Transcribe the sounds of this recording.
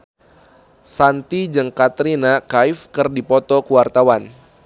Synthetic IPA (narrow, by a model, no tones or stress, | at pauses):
sant̪id͡ʒəŋkat̪ɾinakaifkərdipɔt̪ɔkuwart̪awan